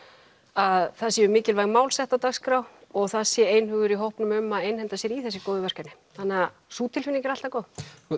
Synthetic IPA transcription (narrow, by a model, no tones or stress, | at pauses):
aðθaðs̬jɛʏmɪːcɪlvajɣmaːwlsɛht̪at̪aɣskɾawɔɣθaðsjɛejnɦʏːɣʏɾiɦowhpnʏmʏmːaðejnhɛnt̪asjɛɾiθɛsːɪkoːwðʏvɛr̥kanɪθanːɛa | suːt̪ʰɪlfɪnːɪŋcɪɾal̥t̪akoːw